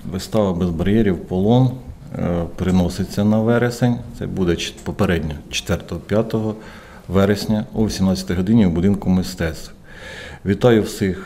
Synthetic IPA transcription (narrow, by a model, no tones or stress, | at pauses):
ʋɪst̪ɑʋɐbezbɐɾjɛɾʲiwpɔlˠɔn | pɾɪnɔsɪt͡sʲːɐnɐʋɛɾesenʲt̪sɛ̰bud̪ɛt͡ʃpɔpeɾɛdʲnʲɔt͡ʃe̥t̪ʋɛrt̪ɔɦɔpʲjɑt̪ɔɦɔ | ʋɛɾesʲnʲɐuʋʲisʲimnɑt͡sʲɐt̪ejɦɔd̪ɪnʲiwbʊd̪ɪnkʊmɪst̪ɛt̪st̪w | ʋʲit̪ɑjʊwsɪx